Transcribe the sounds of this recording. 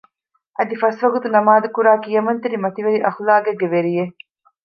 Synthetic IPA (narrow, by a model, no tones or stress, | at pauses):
ɐd̪ifɐsʋɐɡut̪unɐmaːd̪ukuɾaːkijɐmɐnt̪eɾimɐt̪iʋɐɾiʔɐxlaːɡeɡːeʋeɾije